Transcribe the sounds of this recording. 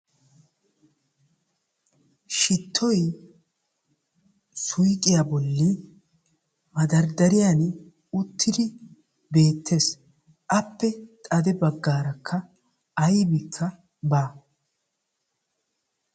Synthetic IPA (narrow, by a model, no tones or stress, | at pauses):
ʃɪt̪ʰːɔj | sʊjkʼɪjabɔlːi | mɐd̪ɐɾd̪ɐɾɪjan | ʊt̪ʰːɪd̪ɪ | be̞ːt̪ːe̞ːs | ʔɐpːɛt̪ʼɐd̪ɛbɐɡːaːɾɐkʰːɐ | ɐjbɪkʰːɐ | baː